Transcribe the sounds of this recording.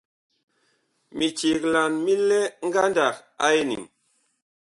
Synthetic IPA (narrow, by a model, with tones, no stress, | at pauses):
mi˨t͡ʃi˨kla˨nmi˦le˦ŋ̩˦ɡa˦nda˨ka˦jnḭ˨ŋ